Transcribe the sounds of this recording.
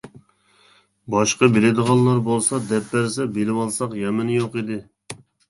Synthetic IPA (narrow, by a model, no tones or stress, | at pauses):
bɑʃqɑbelɪd̪əʁɑnˠlːˠɑɾbolˠsɑd̪ɛpːæɾsɛbelɪwɑlˠsɑqjɛmɪnjoqid̪ɪ